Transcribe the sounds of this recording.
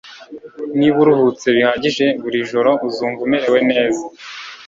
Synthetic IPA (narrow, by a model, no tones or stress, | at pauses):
niβuɾuhut͡se̞βihaːɟiʒe̞βuɾiʒo̞ɾo̞uzuːɱvumeɾe̞we̞ne̞ːza